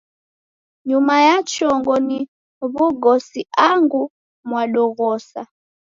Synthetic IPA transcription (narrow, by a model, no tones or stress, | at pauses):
ɲumajat͡ʃɔŋɡɔni | βuɡɔsiaŋɡu | mwaɗɔɣɔsa̰